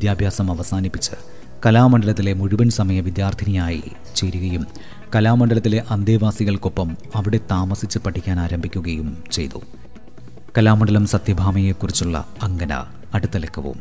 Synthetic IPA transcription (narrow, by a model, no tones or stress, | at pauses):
d̪jaːbʱjaːsɐmɐʋɐsaːnipːit͡ɕːɨ | kɐlaːmɐɳɖɐlɐt̪̬ːile̞muɻuʋɐnsɐmɐjɐʋid̪jaːrd̪ʱinijaːjḭ | t͡ɕe̞ɾuɣɐjum | kɐlaːmɐɳɖɐlɐt̪ːile̞ʔɐnd̪eːʋaːsiɣɐɭkopːɐmɐʋiɽe̞t̪aːmɐsit͡ɕːɨpɐʈʰːikʲːaːnaːɾɐmbʱikʲːuɣɐjumt͡ɕe̞̰jt̪ṵ | kɐlaːmɐɳɖɐlɐmsɐt̪jɐbʱaːmɐjekːurit͡ɕːuɭːɐ̰ | ɐŋɡɐnɐ̰ | ɐɽut̪ːɐlekʰːɐʋṵm